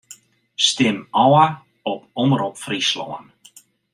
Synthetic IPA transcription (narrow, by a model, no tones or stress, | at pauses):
stɪmɔwə | ɔpɔməɾɔpfrislɔ̰ən